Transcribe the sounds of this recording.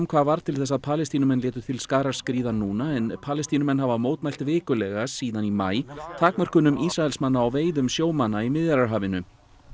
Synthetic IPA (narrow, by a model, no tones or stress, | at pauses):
mkʰvaːvaɾ̥t̪ʰɪlθɛsːaðpʰaːlɛst̪inʏmɛnlɪːt̪ʏ̥t̪ʰɪlskaːɾaɾ̥skɾiːðanuːnaɛnpʰaːlɛst̪inʏmɛnɦavamoːwt̪majl̥t̪vɪːkʏlɛɣasiːðanima̰ːjt̪ʰaːkmœr̥kʏnʏmʔisɾaɛlsmanːaawveːjðʏmsjoːwmanːaimɪðjaɾaɾɦaːvɪnʏ